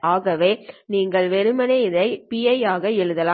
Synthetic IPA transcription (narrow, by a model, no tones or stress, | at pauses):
aːɣɐʋeːniːŋɡɐɭʋɛɾɯmɐnɐɪðɐɪpijɐjaːɣɐɛɻɯðɐlaː